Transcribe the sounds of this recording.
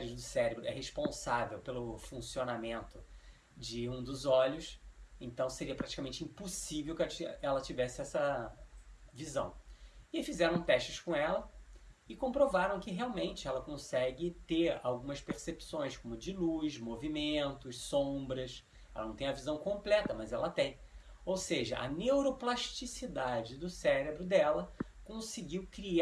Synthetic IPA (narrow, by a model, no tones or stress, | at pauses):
ɾɪd̪ʊsɛɾebɾʊʔɛ̰ɦeʃpõsavewpelʊfũsionamẽnt̪ʊ | d͡ʒɪũd̪ʊzɔʎʊsẽnt̪ɐ̃w̃seɾiɐpɾat͡ʃi̥kamẽnt͡ʃɪĩposivewkt͡ʃiɛlɐt͡ʃivɛsɪɛsɐ | vizɐ̰̃w̃ɪfizɛɾɐ̃w̃t̪ɛʃt͡ʃɪskõɛlɐɪkõpɾovaɾɐ̃w̃kɪɦeawmẽnt͡ʃɪɛlɐkõsɛɡɪt̪eɾa̰wɡũmɐspeɾsepsõj̃skõmʊd͡ʒɪlujʃmovimẽnt̪ʊʃsõbɾɐʃ | ɛlɐnɐ̃w̃t̪ẽj̃ɐvizɐ̃w̃kõmplɛt̪ɐmɐzɛ̰lɐt̪ẽj̃ | owseʒɐʔɐ̰newɾoplaʃt͡ʃisid̪ad͡ʒɪd̪ʊsɛɾebɾʊd̪ɛlɐ | kõsɪɡiwkɾi